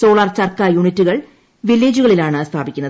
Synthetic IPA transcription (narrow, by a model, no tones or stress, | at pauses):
so̞ːɭɐrt͡ɕɐrkɐjuɳitːuɣɐɭ | ʋilːeːd͡ʑuɣɐɭilaːɳɨst̪ʰaːbikʲːunːɐð